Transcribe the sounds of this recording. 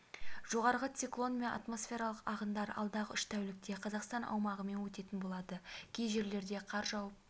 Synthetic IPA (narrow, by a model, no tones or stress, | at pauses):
ʒ̥o̞ʁɑɾʁət̪siklˠo̞nme̞nʔa̰t̪mo̞sfʲe̞ɾɑlˠəqɑʁənd̪ɑɾɑ̰lˠd̪ɑʁəʏʃt̪ʰæwlɪk̚t̪e̞qʰɑzɑqst̪ɑnʔɑ̰wmɑʁəme̞nwɵt̪e̞t̪ɪnbo̞lˠɑd̪əkʲʰejʒe̞ɾle̞ɾd̪e̞qʰɑɾʒɑwəp̚